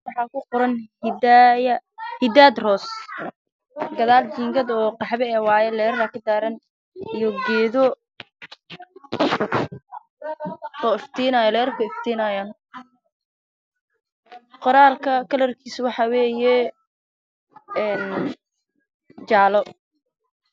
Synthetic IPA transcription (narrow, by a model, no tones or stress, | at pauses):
wɑħɑːkʰʊqʊɾɐnhd̪jɐhɪd̪aːd̪rɔːs | ɡɐðaːld͡ʒiːŋɡɐd̪ɔːqɑħβɛɛːwɑːjɛlɛːɾakʰɐd̪aːɾɐn | ijɔɡɛːðɔ | ɔːɪft̪ʰiːnajlɛːɾkʰɐɪft̪ʰiːnaːjaːn | qɔɾaːlkʰɐkʰɐlɐrkʰiːswɑħɑwɛːjɛ | ɛːn | d͡ʒaːʕlɔ